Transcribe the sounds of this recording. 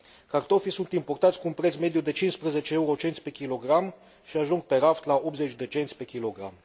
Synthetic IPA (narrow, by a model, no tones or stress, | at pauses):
kart̪o̞fisunt̪import̪at̪sʲkuːnpɾet̪sʲme̞d̪jud̪e̞t͡ʃinspɾezet͡ʃeeuɾo̞t͡ʃent̪sʲpe̞kʲilo̞ɡɾam | ʃiaʒuŋɡ̚pe̞ɾaft̪laopzet͡ʃʲd̪e̞t͡ʃent̪sʲpe̞kʲilo̞ɡɾa̰m